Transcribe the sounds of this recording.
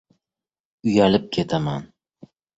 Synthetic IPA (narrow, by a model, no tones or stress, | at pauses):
ʊjalɪp̚kʲʰe̞t̪ʰaman